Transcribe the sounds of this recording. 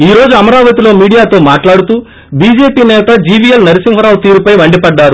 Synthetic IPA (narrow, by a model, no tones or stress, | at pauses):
iːɾo̞ːd͡ʒuɐmɐɾaːʋɐt̪ilo̞ːmiːɽijaːt̪o̞ːmaːʈlaːɽut̪uː | biːd͡ʒe̞ːpiːnɛːt̪ɐd͡ʒiːʋijɐlnɐɾisiŋɦɐɾaːʋt̪iːɾupɐjʋɐɳɖipɐɖːaːɾu